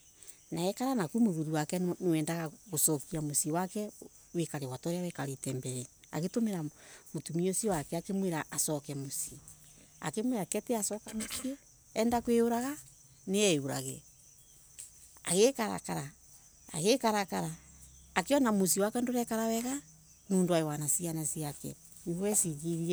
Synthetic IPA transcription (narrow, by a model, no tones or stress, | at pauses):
naɛkaɾanakumoɣuðuwakɛnewɛːndaɣaɣosɔkiamosiwakɛ | wekaɾewatɔɾejawekaɾetɛːmbɛɾea̰ɣetomeɾamotumiosiwakɛakemweɾaasɔkɛmosi | a̰kemweɾakɛteasɔkamosiɛ | ɛndakweoɾaɣa | neɛeβuɾa̰ɣḛ | aɣekaɾa̰kaɾa̰ː | ɣekaɾakaɾaːkeɔnamosiwakɛndoɾɛkaɾawɛɣa | nuːndoaewanasianasiakɛ̰ | niɣwɛsiɣiɾi